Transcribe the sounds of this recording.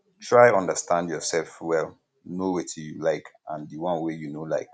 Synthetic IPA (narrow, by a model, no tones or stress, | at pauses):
tʰɹaɪɔ̃ndəstʰãndjɔsɛlfwɛl | nowetʰjulaɪkʔãndiwɔ̃nwejunolaɪk